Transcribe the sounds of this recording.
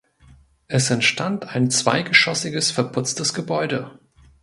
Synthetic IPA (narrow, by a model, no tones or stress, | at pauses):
ʔɛsɛntʃtantaɪnt͡sv̥a̰ɪɡəʃɔsɪɡəsfɛɐpʰʊt͡stəsɡ̥əbɔʏdə